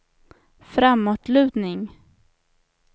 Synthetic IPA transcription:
fɾamːɔʈ̪ʰlʉ̟ːd̪nɪŋ

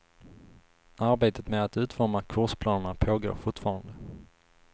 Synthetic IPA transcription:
aɾbeːt̪ət̪mɛd̪at̪ʉ̟ːt̪fɔɾmakʰʊʂpʰlɑːnəɳapʰoːɡo̰ːɾfʊʈfɑːɾand̪ə

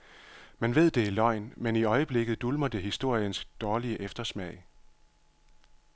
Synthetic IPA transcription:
mænʋe̝ð̰ˠd̥e̝ilɒ̽ɪ̰nmeniɒ̽ɪəb̥le̝ɡ̥ð̩ˠd̥ulmɐd̥e̝ɦisd̥o̝ɐ̰jənsd̥ɒːliəʔefd̥ɐsmɛ̰ɪ

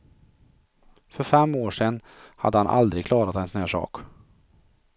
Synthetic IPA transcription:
fœɾfɛmːoːʂɛnː | ha̰d̪ːəhanʔa̰ld̪ɾɪɡkʰlɑːɾat̪ɛnsnøːʂɑ̰ːk

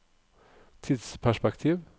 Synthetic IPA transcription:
t̪ʰɪd̪spʰæʃpɛkt̪ʰiːʋ

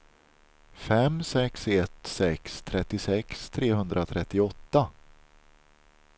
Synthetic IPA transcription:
fɛmsɛksɛt̪sɛkst̪ʰɾɛt̪ːɪsɛkst̪ʰɾeːhɵnd̪ɾʔat̪ʰɾɛt̪ːɪɔt̪ːa

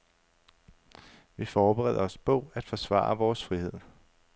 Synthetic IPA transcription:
ʋifɒːb̥eʁɛ̰ð̞̰ˠɐɒ̽sb̥ɔ̰̽ʊ̰æd̥fɒsʋɑ̰̈ːɐʋɒːsfʁihe̝ð̞̰ˠ

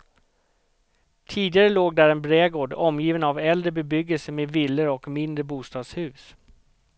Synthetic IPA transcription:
t̪ʰiːd̪ɪɡaɾəloːɡ̚d̪æːɾɛnbɾeːɡoːɖɔmːjiːvənavɛld̪ɾəbɛbʏɡːəlsəmeːvɪlːəɾɔkmɪnd̪ɾəbuːst̪ɑːd̪shʉ̟ːs

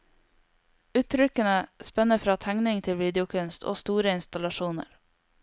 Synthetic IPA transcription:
ʉːt̪ʰɾʏkənəspɛnəfɾɑːt̪ʰæŋnɪŋt̪ʰɪlʋiːd̪ɪʊkʰʉnst̪ʰo̰ːst̪uːɾəɪnst̪ɑlɑʃuːnə̰ɾ

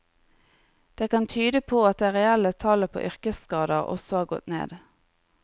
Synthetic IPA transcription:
d̪̥eːkɑnt̪ʰyːd̪əpʰoːɑt̪̚d̪eːʁɛælət̪ʰɑləpʰo̰ːʔʏʁkəskɑːd̪əʁɔ̰sɔhɑːʁɡɔ̰t̪nḛːd̪

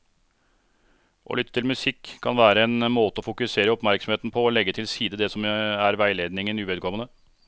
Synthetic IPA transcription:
ʔɔ̰lʏt̪ːət̪ʰɪlmʉsɪkʰːɑnʋæːɾəɛnmoːt̪əɔfʊkʉseːɾəɔpmæɾksɔmheːt̪n̩pʰɔːlɛɡːət̪ʰɪlsiːd̪əd̪ɛsɔmæɾʋæɪleːd̪nɪŋənʉːʋɛːd̪kʰɔmənə

